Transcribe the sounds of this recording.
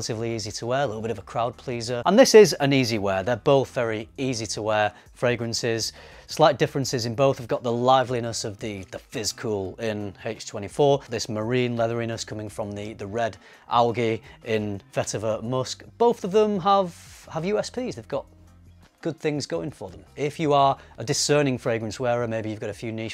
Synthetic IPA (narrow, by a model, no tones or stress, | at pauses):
lətɨvliiːzitʰəwɛːəlɪɾl̩ˠbɪɾəvəkʰɹ̥aʊd̚pʰl̥iːzəə̃nðɪsɪzə̃niːziwɛːðə˞boʊθvɛɹiiːzitʰəwɛː | fɹeɪɡɹə̃nsɪz̥ | slaɪt̚d̥ɪfɹɨ̃nsɪzɨ̃nboʊθhəvɡɒʔ̪̚ðəlaɪvlinəsʌvðiðəfɪz̥kʰulˠɪ̃neɪt͡ʃtʰw̥ɛ̃ɾ̃ifɔɹðɪsməɹĩnlɛðə˞inəskʰʊmɪ̃ŋfɹə̃mðiðəɹɛd | ʔa̰lˠɡiʔɪ̃nfɛtəvəmʊskb̥oʊθəvðə̃məv̥əvjʉːɛspʰiːzðeɪvɡɒt̚ | ɡ̥ʊd̪̚θɪ̃ŋzɡoʊɪ̃ŋfə˞ðə̃mɪfjəə˞ʔədɨsɜ˞nɪ̃ŋfɹeɪɡɹə̃nswɛːɹəmeɪbijɨvɡɑɾəfjʉːniʃ